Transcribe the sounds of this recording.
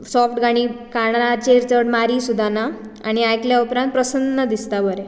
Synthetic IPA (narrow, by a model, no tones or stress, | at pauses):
sɔfʈɡaɽ̃ikaɳat͡ɕeɾt͡səɽmaɾiːsud̪ʱana | aɽ̃iajkljaupɾãnt̪̚pɾəsənːəd̪ist̪abəɾɛ